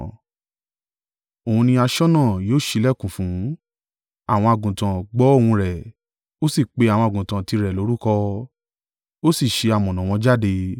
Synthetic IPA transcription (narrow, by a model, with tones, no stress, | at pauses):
o˨hũ˧nĩ˧a˧ʃɔ˦nã˦˨joː˦˨ʃi˧˦lɛ˦˨kũ˨fũ˨˦ | a˦˨w̃ɔ̃˧a˨ɡũ˨tã˨ɡ͡bɔ˨˦o˦˨wũ˧ɾɛ˨ | o˦si˦˨k͡pe˧a˨w̃ɔ̃˧a˨ɡũ˨tã˨ti˧ɾɛ˨lo˨˦ɾu˦kɔ˧ | o˦si˦˨ʃe˧a˨mɔ̃˨nã˨w̃ɔ̃˧d͡ʒa˦˨de˧